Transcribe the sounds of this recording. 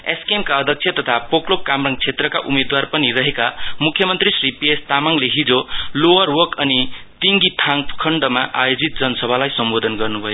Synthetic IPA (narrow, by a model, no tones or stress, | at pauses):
eskemkaʌd̪ʱʌk̚t͡sʰjʌt̪ʌt̪ʰapoklop̚kamrʌŋɡt͡sʰet̪rʌkaʔumed̪warpʌnirʌɦekamukʰjʌmʌnt̪risripiest̪amaŋleɦid͡zolowʌrwʌrkʌnit̪iŋɡit̪ʰaŋkʰʌɳɖʌmaʔa̰jod͡zit̪̚d͡zʌnʌsʌbʱalajsʌmbod̪ʱʌnɡʌrnubʱʌjo